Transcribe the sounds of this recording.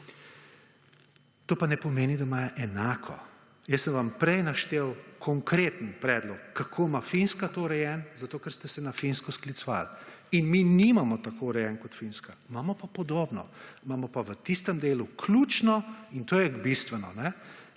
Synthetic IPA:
t̪oːpanɛpɔmeːnid̪amaːjaʔɛnaːkʰɔ̰ | jəsːəmʋampɾɛjnaʃt̪eːwkʰɔŋkɾeːt̪ənpɾɛːd̪lɔkːakʰoːmafinskat̪oɾɛjɛnzat̪oːkɛɾst̪ɛsɛnafinskɔsklit̪sʋa̰linminimamɔt̪akoɾɛjɛːnkɔt̪finskamamɔpapɔd̪oːbnɔ̰maːmɔpaʋət̪ist̪ɛmd̪eːlukʰlut͡ʃnɔint̪oːjɛɡbist̪ʋɛnɔnɛ

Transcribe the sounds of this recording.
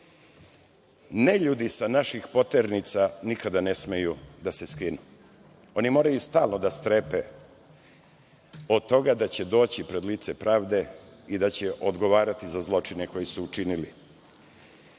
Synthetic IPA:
neʎuːd̪isanaʃixpo̞t̪eɾnit̪sanikad̪anesmejud̪ase̞skinu | o̞nimo̞ːɾajust̪aːlˠnod̪ast̪ɾepe | o̞d̪t̪ːo̞ɡad̪at͡ɕe̞d̪o̞ːt͡ɕipɾe̞d̪liːt̪sepɾaːʋd̪e̞ | id̪at͡ɕeʔod̪ɡo̞ʋaːɾat̪izazlˠo̞t͡ʂineko̞jisuːt͡ʃinili

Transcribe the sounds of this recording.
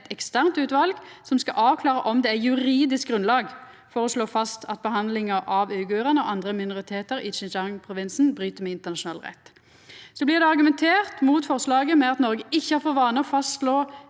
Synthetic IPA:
t̪ɛkst̪æʁnt̪ʉːt̪ʋɑlɡsɔmskɑʔɑːʋkʰlɑːʁəʔɔmd̪ɛæjʉɾiːd̪ɪsk̚ɡɾʉnlɑːɡ | fɔʁɔsloːfɑst̪ʰɑt̪̚bəɦɑnd̪lɪŋəʔɑʋøʏɡøːʁənəɔ̰ʔɑnd̪ʁəmɪnʊʁɪt̪ʰeːt̪əɾɪt͡ʃɪnd͡ʒɑŋpʰʁʊʋɪnsn̩bʁyːt̪əmɛɪnt̪əʁnɑʃʊnɑːlʁɛ̰t̪ː | sɔblɪʁd̪ɛɑʁɡʉmɛnt̪ʰeːʁt̪muːt̪fɔʁslɑːɡəmɛɑt̪nɔɾɡəʔɪçːəhɑːɾfoːʁʋɑːnəɔfɑst̪loː

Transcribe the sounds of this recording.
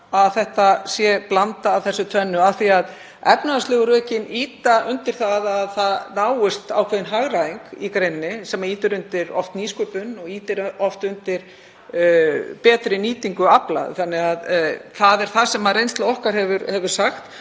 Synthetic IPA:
aðθɛht̪asjɛplant̪aːvθɛsːʏt̪ʰvɛnːʏaθiað | ɛpnaast̪lɪɣʏɾœːcɪniːt̪aʔʏnt̪ɪɾ̥θaðaðθaðnaːwɪst̪awkʰvɛːðɪnɦaɣɾaiŋkikɾejnːɪsɛmːaiːt̪ʏɾʏnt̪ɪɾɔ̰ft̪niːskʏpʏnːɔɣiːt̪ɪɾɔft̪ʏnt̪ɪɾ̥ | pɛːt̪ɾɪniːt̪iŋkʏapla̰ð̰θanːɪɣaðθaðɛɾ̥θasɛmaðrejnst̪laɔhkaɾ̥hɛvʏɾhɛvʏɾ̥saxt̪

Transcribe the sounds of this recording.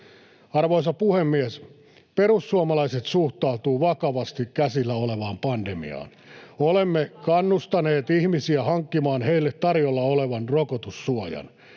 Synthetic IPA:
ɑrʋoisɑpuhemːies | peɾusːuɑmɑlɑiset̪suht̪ɑut̪uːʋɑkɑʋɑst̪ikkæsilːæoleʋɑːmpɑndemḭɑ̰ːn | olemːekɑnːust̪ɑneːt̪ihmisiæhɑŋkːimɑːnheilːet̪tɑrjolːɑoleʋɑnrokot̪usːuojɑ̰n

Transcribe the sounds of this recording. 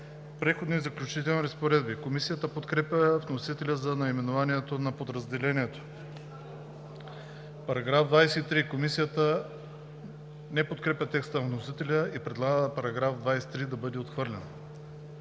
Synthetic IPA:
pɾɛxod̪nizɐklʲut͡ʃit̪ɛlˠniɾɐspoɾɛd̪bikomisijət̪əpot̪kɾɛpʲjəvnosit̪ɛlʲəzɐnɐimɛnovaniɛt̪onɐpod̪ɾɐzd̪ɛlɛniɛt̪o̥ | pɐɾɐɡɾavd̪vajsɛit̪ɾikomisijət̪ə | nɛpot̪̚kɾɛpʲət̪ɛkst̪ənɐvnosit̪ɛlʲəipɾɛd̪lˠaɡəpɐɾɐɡɾafd̪vajsɛ̥t̪ɾid̪ɐbɤd̪ɛot̪xvɤɾlʲɛnə

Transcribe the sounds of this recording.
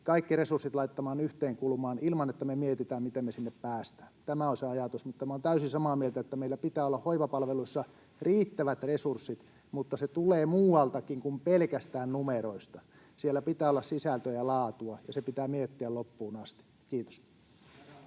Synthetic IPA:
kɑikːiresursit̪lɑit̪ːɑmɑːnyht̪eːŋkulmɑːnilmɑnet̪ːæmemiet̪it̪æːmmit̪emmesinːeppæːst̪æːnt̪æmæonseɑjɑt̪usmut̪ːɑmæoːnt̪æysisɑmɑːmielt̪æet̪ːæmeilːæpit̪æːolːɑhhoiʋɑpɑlʋeluisːɑ | riːt̪ːæʋæt̪resursːit̪ | mut̪ːɑset̪uleːmuːɑlt̪ɑkiŋkumpelkæst̪æːnnumeroist̪ɑ | sielːæpit̪æːolːɑssisælt̪øjɑlɑːt̪uɑjɑsepit̪æːmiet̪ːiællopːuːnɑst̪i̥ | kiːt̪o̥s

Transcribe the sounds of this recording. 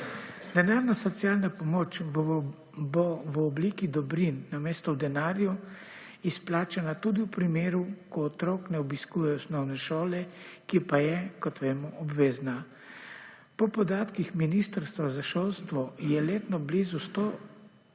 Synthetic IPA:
d̪ɛnaːɾnasɔt̪sijaːlnapɔmoːt͡ʃ | bɔʋɔbliːkid̪ɔbɾinːameːst̪ɔwd̪ɛnaːɾju | isplaːt͡ʃanat̪ud̪iwpɾimeːɾukɔːt̪ɾoːknɛɔbiskuːjɛɔsnɔwnɛʃoːlɛkipajɛkɔt̪ʋeːmɔɔbʋeːzna | pɔpɔd̪aːt̪kixminist̪əɾst̪ʋazaʃolst̪ʋɔjɛleːt̪nɔblizust̪o

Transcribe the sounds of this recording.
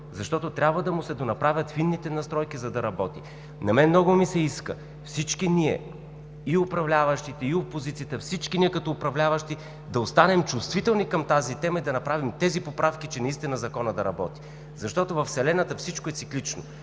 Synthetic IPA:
zɐʃt̪ɔt̪ot̪ɾʲabvəd̪ɐmʊsɛd̪onɐpɾavʲjɐt̪finːit̪ɛnɐst̪ɾɔjkizɐd̪ɐɾɐbɔt̪i | nɐmɛnmnɔɡʊmisɛiskə̰ | fsit͡ʃkiniɛ̰ | iʊpɾɐvlʲavɐʃt̪it̪ɛiopozit̪sijət̪əfsit͡ʃkiniɛkɐt̪ɔʊpɾɐvlʲavɐʃt̪i | d̪ɐost̪anɛmt͡ʃʊst̪vit̪ɛlˠnikɐmt̪azit̪ɛmɐid̪ɐnɐpɾavimt̪ɛzipopɾafk̟it͡ʃɛnɐist̪inɐzɐkɔnəd̪ɐɾɐbɔt̪i̥ | zɐʃt̪ɔt̪ovɐfsɛlɛnət̪əfsit͡ʃkoɛt̪siklit͡ʃno̰

